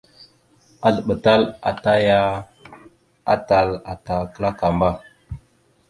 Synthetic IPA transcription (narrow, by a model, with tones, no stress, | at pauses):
a˨ɮə˨ɓə˨ta˦la̰˨ta˦ja˦ | a̰˦ta˨la˨ta˨kə˦la˦ka˨mba˦